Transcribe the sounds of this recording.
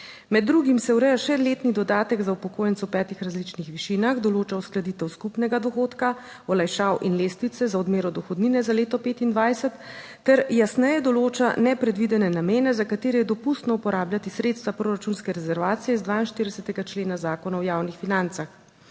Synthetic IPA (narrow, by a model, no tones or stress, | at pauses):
mɛd̪ːɾuɡimsɛuwɾɛjaʃɛleːt̪nid̪ɔd̪aːt̪ɛɡzaupɔkoːjɛnt̪sɔwpɛːt̪ixɾazlit͡ʃnixʋiʃinaxd̪ɔloːt͡ʃausklad̪it̪ɛwskupnɛɡad̪ɔxoːt̪ka | ɔlajʃaːwʔinleːst̪ʋit̪sɛzaɔd̪meːɾɔd̪ɔxɔd̪ninɛzaleːt̪ɔpeːt̪ind̪ʋajsɛt̪ː | ɛɾjasnɛjɛd̪ɔloːt͡ʃanɛpɾɛd̪ʋid̪ɛnɛnameːnɛzakat̪eːɾɛjɛd̪ɔpust̪nɔupɔɾaːbljat̪isɾet̪st̪ʋapɾoɾat͡ʃunskɛɾɛzɛɾʋaːt̪sijɛizd̪ʋaːinʃt̪iɾd̪ɛsɛt̪ɛɡat͡ʃleːnazaːkɔnawjawnixfinant̪sax